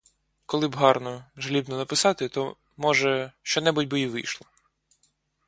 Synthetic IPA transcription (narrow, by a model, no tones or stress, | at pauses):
kɔlˠɪbɦɑrnɔʒlʲibnɔnɐpɪsɑt̪ɪt̪ɔ | mɔʒɛʃt͡ʃɔnɛbʊtʲbɪiʋɪ̰jʃlˠɔ